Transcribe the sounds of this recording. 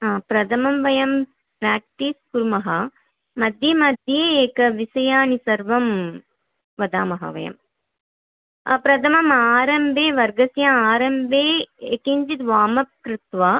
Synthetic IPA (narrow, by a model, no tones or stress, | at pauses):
apɾɐd̪ʱɐmɐmʋɐjɐm | pɾaːk̚ʈiːskuɾmɐɦɐ | mɐd̪ʱjɐmɐd̪ʱjeːeːkɐʋisɐjaːnisɐɾʋɐm | ʋɐd̪aːmɐɦɐ̰ʋɐ̰jɐ̰m | ɐpɾɐt̪ʰɐmɐmaːɾɐmbʱeːʋɐɾɡɐsjaaːɾɐmbʱeːekiɲd͡ʒid̪ʋaːmɐp̚kɾɪt̪ʋaː